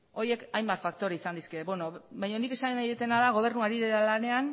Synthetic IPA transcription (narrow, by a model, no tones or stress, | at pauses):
o̞ɾje̞kajmbat̪fak̚t̪o̞ɾaisand̪iskeβeno̞βajɲo̞nike̞sannajet̪e̞naðaɣ̞o̞β̞e̞ɾnuaɾiðeɾalane̞an